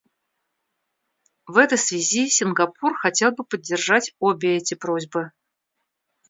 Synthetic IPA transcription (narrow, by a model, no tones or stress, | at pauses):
vɛt̪əjsvʲɪzʲisʲɪnɡɐpurxɐtʲelˠbɨpədʲːɪrʐatʲobʲɪɛtʲɪpɾozʲbɨ